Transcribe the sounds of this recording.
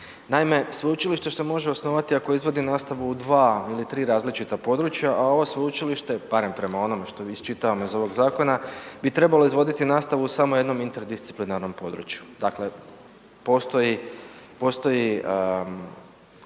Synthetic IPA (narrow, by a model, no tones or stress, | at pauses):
naime̞sʋo̞jut͡ʃiliʃt̪e̞ʃt̪e̞mo̞ʒe̞o̞sno̞ʋat̪iako̞izʋo̞d̪inaːst̪aʋuːd̪ʋaːilit̪ɾiːɾaːzlit͡ʃit̪apo̞d̪ɾut͡ʃjaʔao̞ʋosʋo̞jut͡ʃiliʃt̪e̞b̥aɾe̞mpɾe̞mao̞no̞meʃt̪o̞ist͡ʃit̪aʋamoizo̞ʋo̞ɡzaːko̞nabit̪ɾe̞baloizʋo̞d̪it̪inaːst̪aʋuusamo̞je̞d̪no̞mint̪eɾd̪ist̪i̥plinaɾno̞mpo̞d̪ɾṵt͡ʃjud̪akle̞ | po̞ːst̪o̞jipo̞ːst̪o̞ji